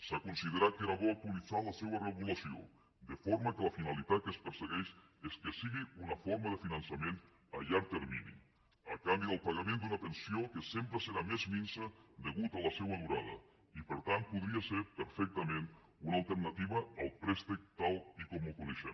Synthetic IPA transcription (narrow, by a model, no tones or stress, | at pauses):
sakunsið̞eɾat̪̚keɾaβok̚t̪ualiθalasewareɣulasio̰ | d̪əfoɾmakəlafinalit̪at̪̚kəspəɾseɣɛʃ | eskesiɣiunɐfoɾmaðəfinansamẽnt̪ | a̰ʎaɾt̪eɾmḭnḭ | akambiəlˠpaɣamẽnd̪unat̪ensiokesempɾeseɾamezminsəd̪eɣut̪alasɛwamuɾaðɐ̰ | ipəɾt̪ant̪̚puðɾiaseɾpəɾfɛk̚t̪amẽn | unalˠt̪eɾnat̪iβaːlˠpɾɛst̪ek̚t̪alˠikomukuneʃḛ